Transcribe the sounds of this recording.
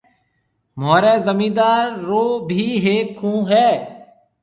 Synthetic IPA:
moːɾɛːzəmĩːd̪aːɾːoːbʱiːɦeːkʰːũːɦɛː

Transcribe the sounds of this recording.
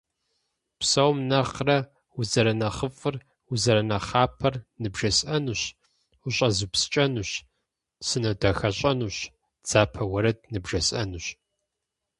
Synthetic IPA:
psɐwmnɐχrɐ | uzɐɾɐnɐχəfʼɨr | uzɐɾɐnɐχaːpʰɐrnɨbʒɐsʼɐnuɕ | ʊɕʼɐzupst͡ʃʼɐnuɕ | sɨnɐdɐxɐɕʼɐnuːɕ | d͡z̥aːpʰɐwɐɾɐd̚nɨbʒɐɕʼʔɐnuːɕ

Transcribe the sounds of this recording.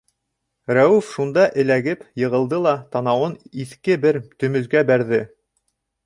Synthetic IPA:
ɾæwʉfʃund̪ɑʔɘ̆læɡɘpjɤ̆ʁɤ̆lˠd̪ɤlˠɑt̪ɑnɑwɤniθkɘbɘɾt̪ɵ̆mɵ̆zðɡæbæɾðɘ

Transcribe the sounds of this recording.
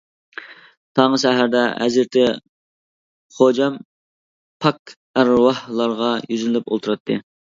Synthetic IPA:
t̪ʰɑŋəʃɛɦæɾd̪ɛæ̰zɾt̪ʰɪ | χod͡ʒɛm | pʰɑk | æɾwɑhlˠɑɾʁɑjyzlɪlypo̰lˠt̪ʰuɾɑt̪ʰːɨ

